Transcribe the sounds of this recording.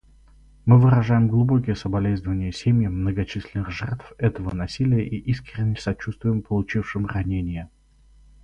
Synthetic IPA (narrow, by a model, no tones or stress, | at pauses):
mɨvɨɾɐʐajɪmɡlˠʊbo̞kʲɪjəsəbɐlʲeznəvənʲɪjəsʲemʲjəmnəɡɐt͡ɕisʲlʲɪnɨxʐɛrt̪fɛt̪əvənɐsʲilʲɪjəʔiʔiskɾʲɪnʲːɪsɐt͡ɕust̪vʊjɪmpəlˠʊt͡ɕifʂɨmrɐnʲenʲɪjə